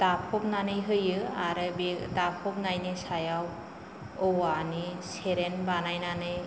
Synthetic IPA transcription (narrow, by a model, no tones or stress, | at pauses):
tapʰɔp̚nanɯjɦɯjɯa̰ɾɯbetapʰɔp̚najnɯsajaw | ɔwaniseɾenbanajnanɯj